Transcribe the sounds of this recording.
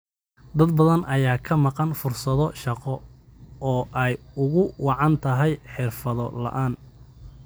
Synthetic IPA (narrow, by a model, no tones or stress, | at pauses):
d̪ɐd̪̚bɐðɐnʔɐjaːkʰɐmɑqɑnfʊrsɐðɔʃɑqɔ | ɔːʔɛjʊɣʊwɑʕɑnt̪ʰɐɦɛjħɪrfɐðɔlɐ̰ʔaːn